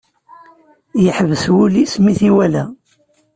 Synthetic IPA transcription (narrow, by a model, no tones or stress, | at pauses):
jəħəvəswulismiθiwælæ